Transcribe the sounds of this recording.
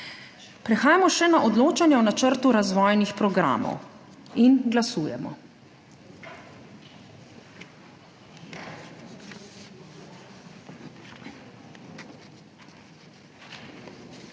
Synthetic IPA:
pɾɛxaːjamɔʃɛnaʔɔd̪loːt͡ʃanjɛɔnat͡ʃəɾt̪uɾazʋɔːjnixpɾɔɡɾa̰ːmɔ̰w | inɡlasuːjɛ̰mɔ̰

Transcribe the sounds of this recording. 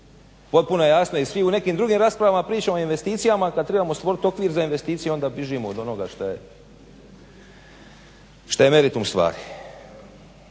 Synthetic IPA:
po̞t̪̚puno̞je̞jaːsnojisʋiune̞kiːmd̪ɾuɡiːmɾaːspɾaʋamapɾiːt͡ʃamoinʋe̞st̪iːt̪sijamakad̪t̪ɾe̞bamo̞st̪ʋo̞ɾit̪o̞kʋiːɾzainʋe̞st̪iːt̪sijeo̞nd̪abiʒimood̪o̞no̞ɡaʃt̪aje | ʃt̪aje̞me̞ɾit̪umst̪ʋa̰ːɾi

